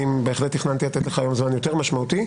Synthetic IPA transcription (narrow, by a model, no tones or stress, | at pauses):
imbeːχlet̪iχnant̪ilat̪et̪le̞χajo̞mzmanjo̞t̪eʁmaʃmaut̪i